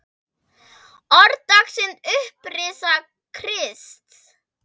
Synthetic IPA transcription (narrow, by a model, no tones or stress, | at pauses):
ɔɾt̪aksɪnt̪ʏhprɪsa | kʰɾɪst̪